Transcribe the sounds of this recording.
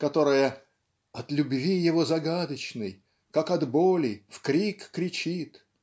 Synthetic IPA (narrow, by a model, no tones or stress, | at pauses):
kɐt̪o̞ɾɨjə | ɐt̪lʲʊbvʲijɪvozɐɡad̪ət͡ɕnɨj | kakɐd̪bolʲɪfkɾʲikːɾʲɪt͡ɕit̪